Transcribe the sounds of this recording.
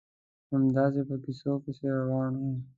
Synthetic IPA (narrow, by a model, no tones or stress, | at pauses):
ɐmd̪aːzepɐkisoːkeseɾɐwaːnɦũː